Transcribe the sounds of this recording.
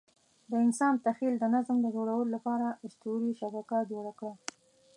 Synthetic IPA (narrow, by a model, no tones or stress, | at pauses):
d̪əɪnsɑnt̪axild̪ənazmd̪əd͡ʒoɽawəlolapɑɾaɪʃt̪uɾiʃabakad͡ʒoɽakɽa